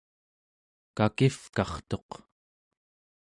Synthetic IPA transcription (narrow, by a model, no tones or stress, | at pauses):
kakifkɑχt̪o̞q